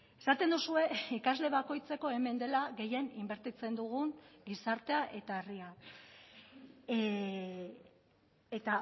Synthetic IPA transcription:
e̞sat̪e̞nd̪usue̞ikazle̞βako̞jt͡se̞ko̞e̞me̞nd̪e̞laɣe̞je̞nimbe̞ɾt̪it͡se̞nd̪uɣ̞uŋɡisaɾt̪e̞aʔe̞t̪aeria | et̪a

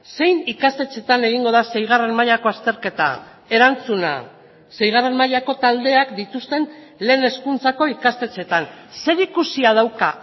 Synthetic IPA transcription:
se̞jnikast̪e̞t͡se̞t̪ane̞ɣ̞iŋɡo̞ð̞ase̞jɣ̞are̞nmaʎako̞ast̪e̞ɾke̞t̪a̰ | e̞ɾant͡suna̰ | sejɣ̞are̞nmaʎako̞t̪ald̪e̞akd̪it̪ust̪e̞n | le̞ːne̞skunt͡sako̞ikast̪e̞t͡se̞t̪anse̞ɾikusiaðawka

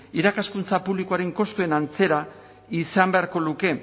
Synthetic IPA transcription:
iɾakaskunt͡sapuβlikoaɾe̞ŋko̞st̪ue̞nant͡se̞ɾa | isambe̞aɾko̞luke̞

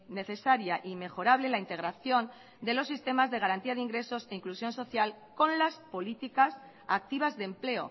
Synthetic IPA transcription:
ne̞θe̞saɾjaʔime̞xo̞ɾaβle̞laint̪e̞ɣ̞ɾaθjo̞n | d̪e̞lo̞sːist̪e̞mazðe̞ɣaɾant̪iaðeiŋɡɾe̞so̞seiŋklusjõ̞nso̞θjal | ko̞nlaspo̞lit̪ikas | ak̚t̪iβ̞azðemple̞o̞̰

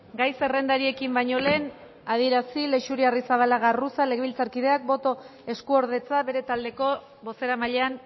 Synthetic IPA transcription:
ɡajse̞re̞nd̪aɾie̞kimbaɲo̞le̞ːn | að̞ie̞ɾasile̞ʃuɾiarisaβ̞alaɣarusaleɣeβilt͡saɾkiðe̞ak̚bo̞t̪o̞e̞skuo̞ɾð̞e̞t͡saβe̞ɾe̞t̪ald̪e̞ko̞ | βo̞se̞ɾamaʎe̞an

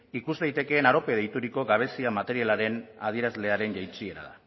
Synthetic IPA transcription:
ikuzðajt̪e̞ke̞ːnaɾo̞peðejt̪uɾiko̞ɡaβ̞e̞siamat̪e̞ɾialaɾe̞na̰ð̞ie̞ɾazle̞aɾe̞nʝajt͡sie̞ɾa̰ða

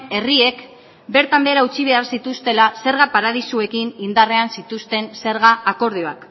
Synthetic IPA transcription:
e̞rie̞k | be̞ɾt̪ambe̞ːɾaut͡ʃiβ̞e̞arsit̪ust̪e̞lase̞ɾɣapaɾað̞isue̞kinind̪are̞ansit̪ust̪e̞nse̞ɾɣaʔːko̞ɾðioak

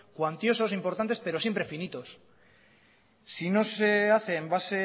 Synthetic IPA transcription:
kwant̪jo̞so̞simpo̞ɾt̪ant̪espe̞ɾo̞sjempɾe̞finit̪o̞s | sino̞seaθe̞ːmbase̞

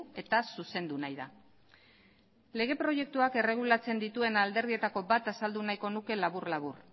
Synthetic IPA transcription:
e̞t̪asuse̞nd̪unajða | le̞ɣ̞e̞pɾo̞je̞k̚t̪uake̞re̞ɣ̞ulat͡se̞nd̪it̪ue̞nald̪e̞ɾðie̞t̪ako̞bat̪asald̪unajko̞nuke̞laβurlaβ̞ur

